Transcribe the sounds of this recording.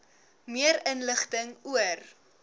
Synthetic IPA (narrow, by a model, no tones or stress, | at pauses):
miəɾənləχtəŋuər